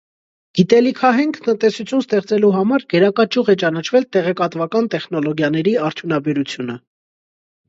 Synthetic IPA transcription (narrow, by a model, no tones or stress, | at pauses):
ɡ̥it̪ɛlikʰɑɦɛŋkʰt̪ənt̪ɛsut͡sʰjunst̪ɛχt͡sɛluɦɑmɑɾɡɛɾɑkɑt͡ʃuʁɛt͡ʃɑnɑt͡ʃʰvɛlt̪ɛʁɛkɑt̪vɑkɑnt̪ɛχnɔlɔɡjɑn̪ɛɾiɑɾt̪ʰjunɑbɛɾut͡sʰjunə